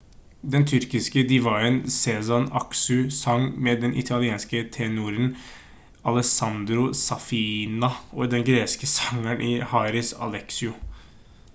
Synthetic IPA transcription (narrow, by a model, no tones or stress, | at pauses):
d̪ɛnt̪ʰʏɾkɪskəd̪ɪʋɑɪənsɛsɑnɑksʉsɑŋmɛd̪ɛnʔɪ̰t̪ʰɑlɪeːnskət̪ʰɛnuːɾən | ɑlɛsɑnd̪ɾʊsɑfinɑɔd̪ɛnɡɾeːskəsɑŋænʔihɑːɾɪsɑ̰lɛksɪʊ